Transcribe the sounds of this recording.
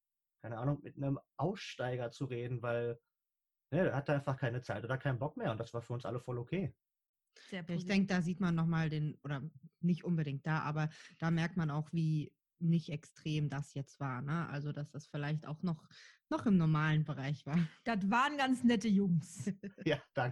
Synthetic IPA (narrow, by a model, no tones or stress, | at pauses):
kʰaɪnəʔaːnʊŋmɪ̰tnəmʔaʊsʃtaɪɡɐt͡suʁeːdn̩vaɪl | nədahataʔaɪnfaχkʰaɪnət͡saɪtʔoːdakʰaɪnbɔk̚meːɐʊntd̥asv̥aːɐfyːɐʊnsʔa̰ləfɔlokʰeː | z̥eːjaːɪçd̥ɛŋkəd̥aːziːtmanːɔχmaːldeːnʔoːdɐnɪçtʔʊnbədɪŋk̚t̚d̥aːʔa̰ːbɐd̥aːmɛɐk̚tmanaʊxv̥iː | nɪçtɛkstʁ̥eːmdasjɛt͡stv̥aːɐnəʔa̰lzod̥asd̥asfɪlaɪçta̰ʊxnɔχnɔχɪmnɔɐmaːlənbəʁ̞aɪçv̥aːɐd̥atvaːʁənɡant͡snɛtəjʊŋsjaːd̥aŋkə